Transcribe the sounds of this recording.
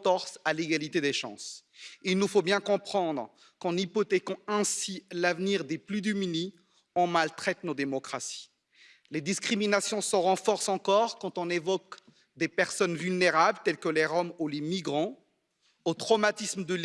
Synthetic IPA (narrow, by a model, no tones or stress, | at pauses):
t̪ɔʁsaleɡalit̪ed̪eʃɑ̰̃silnufobjɛ̃kɔ̃pχɑ̃d̪ʁ | kɑ̃nipɔt̪ekɔ̃ɛ̃silavniʁd̪eplyd̪ymini | ɔ̃malt̪χɛt̪nod̪emɔkχasi̥ | led̪iskχiminasjɔ̃səʁɑ̃fɔʁsɑ̃kɔʁkɑ̃t̪ɔ̃nevɔk | d̪epɛʁsɔnvylneʁablt̪ɛlkəleʁɔmolemiɡʁɑ̃ | ot̪χɔmat̪isməd̪əl